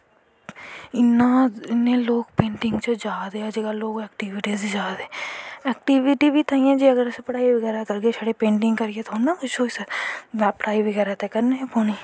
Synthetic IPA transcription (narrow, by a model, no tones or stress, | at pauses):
ɪnaɪneloːɡpẽːɳʈɪ̃ŋɡt͡ʃəd͡ʒaːd̪eːad͡ʒeɡaloːɡɛːkʈiʋɪʈiːzd͡ʒaːd̪eːɛːk̚ʈiʋɪʈibʱit̪ʰaːĩɛ̃d͡ʒeɐɡəɾspɐɽaːiʋɐɡɛːɾakɐɾɡet͡ʃʰɐɽepẽːɳʈɪ̃ŋɡkɐɾɡet̪ʰoːnakʊt͡ʃʰoɪseʋapːəɽaːiʋəɡɛːɾat̪ekɐɾneɦpoːniː